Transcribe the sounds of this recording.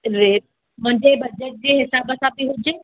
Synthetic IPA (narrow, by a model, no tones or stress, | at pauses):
ɾeː | mʊ̃ɲd͡ʑebɐd͡ʑəʈ̚d͡ʑeːɦɪsaːbəsãbiɦʊd͡ʑeː